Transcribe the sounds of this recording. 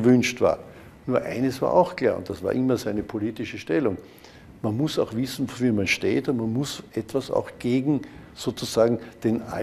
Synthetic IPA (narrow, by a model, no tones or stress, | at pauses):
əvʏnʃtv̥a̰ːɐ | nuːɐʔa̰ɪnəsv̥a̰ːɐʔa̰ʊxkʰl̥a̰ːɐʊ̰nt̚d̥asv̥aːɐʔɪmɐzæɪnəpʰoliːtɪʃəʃtɛlʊŋ | manmʊsaʊxv̥ɪsn̩viːɐmanʃteːtʊmanmʊsʔɛtv̥asa̰ʊxɡ̥eːɡŋ̩ | z̥oːt͡sʊzaːɡŋ̩d̥ena